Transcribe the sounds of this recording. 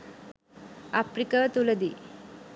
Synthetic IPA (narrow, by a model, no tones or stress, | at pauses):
afɾikat̪ulɐd̪i